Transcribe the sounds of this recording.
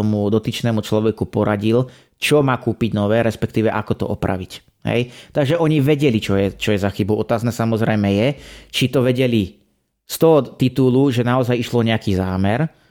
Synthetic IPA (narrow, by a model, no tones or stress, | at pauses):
ɔmud̪ɔt̪iːt͡ʃnɛːmut͡ʃlɔʋɛkupɔɾaɟil | t͡ʃɔmaːkuːpiɟnɔʋɛːɾɛspɛkt̪iːʋɛʔakɔt̪ɔ̰ʔɔpɾa̰ʋic | ɦɛ̰jt̪aɡʒɛʔɔɲiʋɛɟɛlit͡ʃɔjɛt͡ʃɔjɛzaxibɔʊɔt̪aːznɛːsamɔzɾɛjmɛjɛt͡ʃit̪ɔʋɛɟɛli | st̪ɔɦɔt̪it̪uluʒɛnaɔzajiʃlɔɲɛakiːzaːmɛɾ